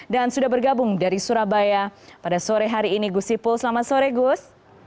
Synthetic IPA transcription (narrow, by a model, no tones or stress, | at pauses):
dansudabərɡabʊŋdaɾisuɾabajapadasoɾɛɦaɾiːniɡusipʊlsəlamatsoɾɛɡʊs